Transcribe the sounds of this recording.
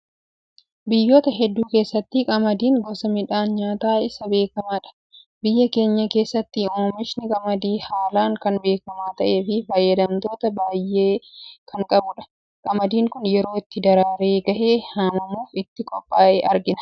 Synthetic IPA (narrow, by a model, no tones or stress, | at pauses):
bɪjːo̞ːt̪ɐɦɛd̪ːuːke̞ːsːɐt̪ːɪkʼɐmɐd̪iːŋɡɔsɐmɪᶑaːnɲaːt̪aːɪsɐbe̞ːkɐmaːᶑɐ̥ | bɪjːɐke̞ːɲːɐke̞ːsːɐt̪ːɪoːmɪʃnɪkʼɐmɐd̪iːhaːlaːŋkɐnbe̞ːkɐmaːt̪ɐʔe̞ːfɪfɐjːɐd̪ɐmt̪o̞ːt̪ɐbaːjːeːkʰɐŋkʼɐbʊᶑɐ̥ | kʼɐmɐd̪iːŋkʊnjɛɾo̞ːɪt̪ːɪd̪ɐɾaːɾeːɡɐʔe̞ːhamɐmuːfɪt̪ːɪkʼɔpʼːaːʔeːʔɐɾɡɪnɐ̥